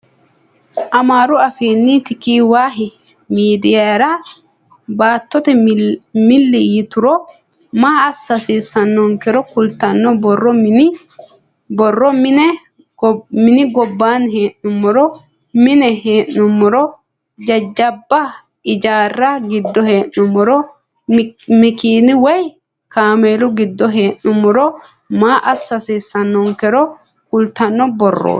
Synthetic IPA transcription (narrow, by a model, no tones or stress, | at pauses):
ʔɐmaːɾʊɐfiːnːit̪ɪkiːwaːɦɪ | miːd̪ɪjaɾaː | baːt̪ːɔt̪ɛmɪlːɪjɪt̪ʊɾɔ | maːɐsːɐsiːsːɐnːɔŋkɛɾɔkʊlt̪ɐnːɔbɔrːɔ | bɔrːɔmɪnɛ | mɪnɪɡɔbːaːnɦeːʔnʊmːɔɾɔ | mɪnɛheːʔʊmːʊɾɔ | d͡ʒɐd͡ʒːɐbːɐ | ɪd͡ʒaːrːɐɡɪd̪ːɔhe̞ːʔnʊmːʊɾɔ | mɪkiːnɪwɔj | kaːmeːlʊɡɪd̪ːɔɦeːʔnʊmːʊɾɔ | maːʔɐsːɐsiːsːɐnːɔŋkɛɾɔ | kʊlt̪ɐnːɔbɔrːo̰ː